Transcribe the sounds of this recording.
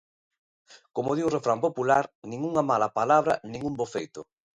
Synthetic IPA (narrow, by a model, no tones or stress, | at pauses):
komoðiũrefɾampopulaɾnĩŋuŋɐmalapalaβ̞ɾɐ̰nĩŋumbofejt̪ʊ